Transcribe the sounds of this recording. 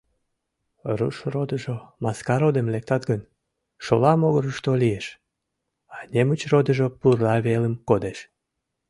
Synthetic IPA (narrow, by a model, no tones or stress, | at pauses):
rṵʃrod̪əʒomɑskɑɾod̪emlek̚t̪ɑt̪ɡən | ʃolɑmoɣəɾəʃt̪olieʃ | ɑnʲemut͡ɕrod̪əʒopurlɑβeləmkod̪eʃ